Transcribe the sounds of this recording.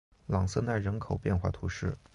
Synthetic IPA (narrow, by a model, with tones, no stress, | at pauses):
lɑ˨˩ŋsɤ˥˧na˥˩ɪɻə˧˥nkʰo˨˩ʊpjɛ˥˧nxwa̰˥˩t̪ʰu˧˥ʂɻ̩˥˩